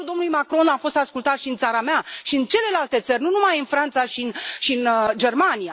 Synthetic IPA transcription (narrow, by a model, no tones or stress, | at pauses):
uld̪o̞nlujmakɾo̞nafo̞st̪askult̪at̪ʃiɨnt̪saɾameaʃiɨnt͡ʃe̞le̞lalt̪e̞t̪sərʲnunumajɨnfɾant̪saʃinʃiɨnd͡ʒe̞rmanija